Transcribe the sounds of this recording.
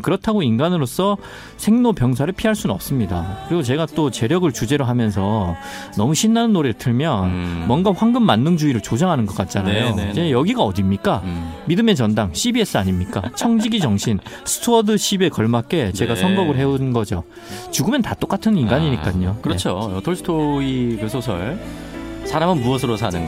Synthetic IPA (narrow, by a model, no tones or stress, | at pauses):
kɯɾʌtʰaɡoinɡanɯɾos͈ʌ | sʰe̞ŋnopjʌŋs̬ʰaɾɯɭpʰiɦaɭs͈unnʌp̚s͈ɯmɲida̰kɯɾiɡot͡ɕe̞ɡat͈ot͡ɕe̞ɾjʌɡɯɭt͡ɕud͡ʑe̞ɾoɦamjʌns̬ʰʌ | nʌmuɕʰinːanɯnːoɾetʰɯɭmjʌnmwʌnɡaɸwaŋɡɯmːanːɯŋd͡ʑuiɾɯɭt͡ɕod͡ʑaŋɦanɯnɡʌk͈at̚t͡ɕ͈anajoid͡ʑe̞jʌɡiɡaʌdimɲik͈amidɯme̞t͡ɕʌndaŋɕʰibie̞s͈ɯaɲimɲik͈a̰t͡ɕʰʌŋd͡ʑiɡid͡ʑʌŋɕʰinsʰɯ̥tʰoʌdɯɕʰibe̞kʌɭmak͈e̞t͡ɕe̞ɡasʰʌŋɡʌɡɯɭɦe̞unɡʌd͡ʑo̰ | t͡ɕuɡɯmjʌntat͈ok͈atʰɯninɡaɲiɲik͈aɲokɯɾʌt͡ɕʰoʌtʰoɭsʰɯ̥tʰoikɯsʰosʰʌ̰ɭ | sʰaɾamɯnbuʌsʰɯɾosʰanɯnɡa